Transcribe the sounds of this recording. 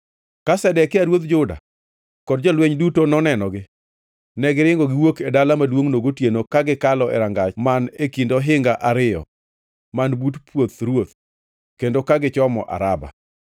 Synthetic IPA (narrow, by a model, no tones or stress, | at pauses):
kasɛdɛkɪaɾwot̪̚d͡ʒʊda̰ | kɔdd͡ʒɔlweɲdutonɔnɛnɔɡɪ | nɛɡɪɾɪŋɡɔɡɪwokedalamadwoŋnoɡotjenokaɡɪkalɔɛ̰ɾaŋɡamanekindɔɦɪŋɡaʔaɾɪjɔ̰ | manbutpwot̪ɾwot̪ | kendokaɡɪt͡ʃɔmɔ̰ʔa̰ɾaba̰